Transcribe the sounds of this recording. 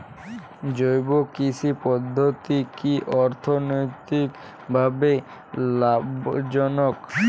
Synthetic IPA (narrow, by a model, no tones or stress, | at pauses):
d͡ʑojbokit͡ɕʰipɔd̪ʱːot̪ikiʔɔɾt̪ʰonojt̪ik | bʱabe | labd͡ʑɔnok